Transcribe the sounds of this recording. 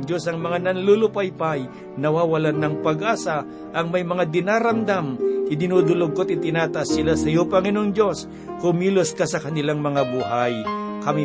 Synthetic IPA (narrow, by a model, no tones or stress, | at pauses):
d͡ʒo̞sɐŋmɐŋanɐnlulʊpajpaj | nɐwaːwɐlanːɐŋpɐɡʔaːsa | ʔɐŋmɐjmɐŋad̪ɪnaːɾɐmd̪amɪd̪ɪnuːd̪ʊloɡ̚kot̪ɪt̪ɪnaːt̪ɐʔasɪlasɐjopɐŋɪnoŋd͡ʒo̞s | kʊmiːloskasɐkɐnɪlaŋmɐŋabuhajkɐmi